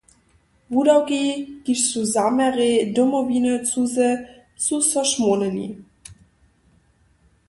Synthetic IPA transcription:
vudawɡeɡ̥iʃsuzamɛʁedomobiːnət͡suzə | t͡susɔʃmonənḭ

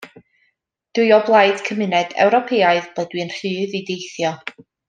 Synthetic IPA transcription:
d̥ɨjɔblˠaɨd̥kʰəmɪnɛd̥ɛ̰wɾɔpʰeːaɨðb̥lˠədwiənr̥ɨːðidejθjɔ

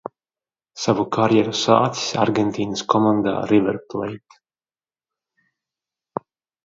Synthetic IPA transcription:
savukʰaɾjɛɾusaːt̪si̥sʲaɾɡɛnt̪iːnəskɔmand̪a̰ːɾivɛɾplɛ̰jt̪

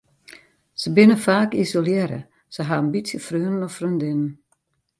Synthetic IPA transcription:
səbɪnəfaːkisoljɛɾə̰ | səɦaənbitsjəfrøːnənɔfrøndɪnən

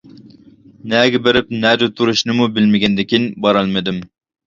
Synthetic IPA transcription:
nɛɡʲɛbeɾɪp̚nɛd̪ʊt̪ʰuɾuʃnɨmubɪlmɪɡʲɛnd̪ɪkʲinbɑɾɑlˠmɪd̪ɪm

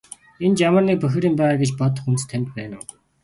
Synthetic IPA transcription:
ent͡ɕamə̆rniːk̚pœx̆ʲɾiːmpæːʁaːɡet͡ɕpɔt̪̬ɞ̆χunst̪ʰːæmʲt̪pæːnʊː

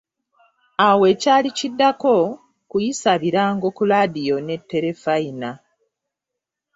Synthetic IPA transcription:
awe̞ːcaːlicidːako̞ | kujisaβiɾaːŋɡo̞kulaːdijo̞ne̞tːe̞ɾe̞faina

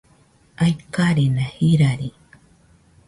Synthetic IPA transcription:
ajkaɾinahiɾaɾi

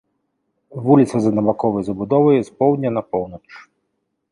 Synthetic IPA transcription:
vulʲit̪sɐzɐnɐbakɔvɐjzɐbud̪ɔvɐjɛspɔwd̪ʲnʲɐnɐpɔwnɐt͡ʂ

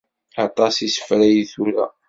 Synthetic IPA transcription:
ɑt̪ˤɑsisə̥fɾæjiθuɾæ̰

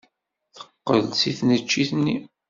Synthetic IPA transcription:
θə̥qːə̰lsiθnət͡ʃːiθnːi

